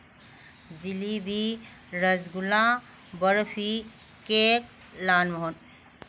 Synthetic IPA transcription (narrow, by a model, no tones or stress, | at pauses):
d͡zilibʱi | ɾəzɡulã | bəɾfʰi | kek | laːnʋɔɦon